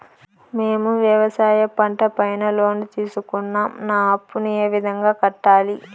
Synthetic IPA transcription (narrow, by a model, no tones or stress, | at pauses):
meːmuʋjɐʋɐsaːjɐpɐɳʈɐpɐjnɐlo̞ːnit̪iːsukunːaːmnaːɐpːunue̞ːʋid̪ʱɐŋɡaːkɐʈːaːli